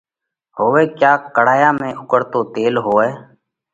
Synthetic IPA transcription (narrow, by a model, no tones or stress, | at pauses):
hoːʋeːkjaːkəɽaːjaːmẽːʔʊkəɽt̪oːt̪eːlɦoːɛː